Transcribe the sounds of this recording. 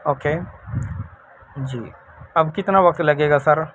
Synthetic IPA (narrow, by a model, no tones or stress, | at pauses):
oːkeː | d͡ʒḭː | ɐbkɪt̪naʋɐk̚t̪lɐɡeːɡasɐɾ